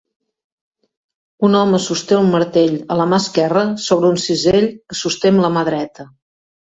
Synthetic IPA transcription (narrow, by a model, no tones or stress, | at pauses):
unɔməsust̪eunməɾt̪eʎələmaskɛrəsoβɾəunsizeʎəsust̪emləmaðɾɛt̪ə